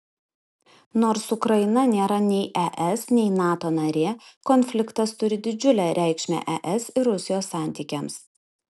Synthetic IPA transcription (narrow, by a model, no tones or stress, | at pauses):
noːɾsʊkɾɐɪnɐnʲeːɾɐnʲɛɪʔɛʔɛsnʲɛɪnɑːt̪oːnɐɾʲeːkɔnʲfʲlʲɪkt̪ɐst̪ʊɾʲɪd̪ʲɪd͡ʒʲʊlʲɛɾʲʔæˑɪkʃʲmʲɛ̰ʔɛʔɛsɪɾɾʊsʲɪjoːsːɑˑnʲt̪ʲiːkʲɛms